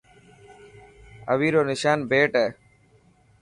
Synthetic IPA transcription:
ə̰ʋiːɾoːnɪʃaːnbʱeːʈɛː

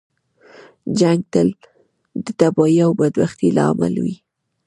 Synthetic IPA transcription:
d͡ʒaŋɡ̚t̪əl | d̪ət̪abɑiawbad̪baxt̪ilɑ̰ama̰lwi

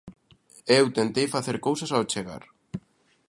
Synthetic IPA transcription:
ewt̪ent̪ejfaθeɾkowsasawt͡ʃeɣa̰ɾ

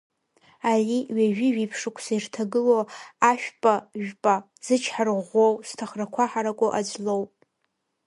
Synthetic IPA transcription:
ariɥaʒᶣiʒipʰʂɨkʷʰsairtʰaɡɨloaʃᶣpʼaʒᶣpʼa | z̥ɨt͡ʃʰħarʁowstʰaχrakʷʰaħaɾakʷʼoʔad͡ʒlowpʼ

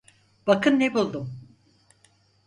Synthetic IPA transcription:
b̥akʰɯnːebulˠd̪um

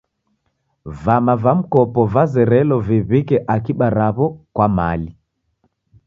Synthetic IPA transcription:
vamavam̩kɔpɔvazɛɾɛlɔviβikɛʔakiɓaɾaβɔkwamali

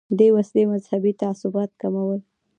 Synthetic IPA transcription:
d̪ewaslemazhabit̪aasʊbɑt̪̚kamawəl

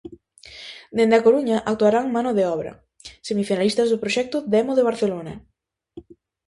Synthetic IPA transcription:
d̪end̪akoɾuɲaʔak̚t̪uaɾaŋmanoðeɔβɾɐ̰ | semifinalist̪azðʊpɾoʃɛk̚t̪ʊd̪ɛmoðeβ̞aɾθelonɐ

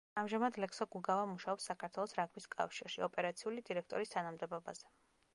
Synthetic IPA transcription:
amʒamad̪lɛksɔɡuɡavamuʃaɔpsːakʰaɾt̪ʰwɛlˠɔsɾaɡʰviskʼa̰fʃiɾʃiɔpʼɛɾat̪sʰiulid̪iɾɛk̚ʰt̪ʼɔɾist̪ʰanamd̪ɛbɔba̰z̥ɛ

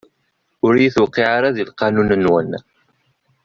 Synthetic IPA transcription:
ʊɾjiθwaqːiʕaɾaðilqɑnunənwən

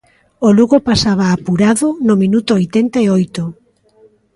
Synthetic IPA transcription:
oluɣopasaβ̞aːpuɾaðʊnomĩnut̪oojt̪ɛnt̪aeojt̪ʊ

